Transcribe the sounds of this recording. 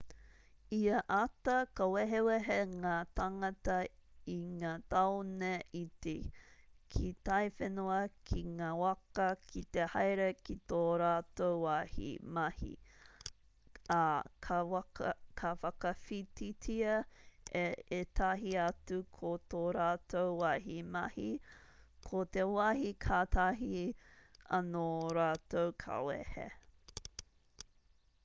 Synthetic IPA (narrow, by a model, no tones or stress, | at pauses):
iɐʔatɐkɐweɦeweɦeŋaːt̪aŋɐtɐiŋaːtawneitekʰit̪ɐjfenoɐkʰiŋaːwɐkɐkʰit̪ehɐjɾekit̪oːɾaːtowahḭmɐhḭ | kʰ | kʰɐfɐkɐfititʰiɐeet̪ʰɐɦiɐtukʰot̪oːɾaːtʰowwɐɦimɐhi | kʰot̪ewɐɦikʰaːt̪ɐɦi | ɐ̰noɾaːtowkʰa̰wḛhḛ